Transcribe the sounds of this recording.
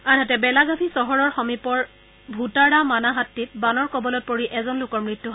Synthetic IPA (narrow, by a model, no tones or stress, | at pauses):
anɦatɛbɛlaɡapʰisɔɦɔɹɔɹxɔmipɔɹ | bʱutaɹamanaɦatːit̚banɔɹkɔbɔlɔt̚poɹiʔɛzɔnlʊkɔɹmɹitːuɦ